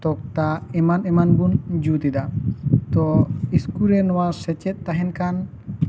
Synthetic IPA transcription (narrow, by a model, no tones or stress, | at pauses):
t̪ɔk̚t̪aɛmanɛmanbund͡ʒut̪id̪at̪ɔiskuɾɛnɔwasɛt͡ʃɛt̪̚ːaɦɛnkan